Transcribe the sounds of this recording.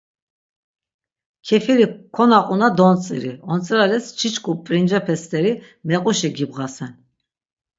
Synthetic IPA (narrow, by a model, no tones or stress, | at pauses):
kʰɛfiɾikʰɔnaqʼunad̪ɔnt͡sʼḭɾiɔnt͡sʼɾalɛst͡ʃʰit͡ʃʰkʰʼupʼɾind͡ʒapʰɛst̪ʼɛɾi | mɛqʼuʃiɡibʁasɛn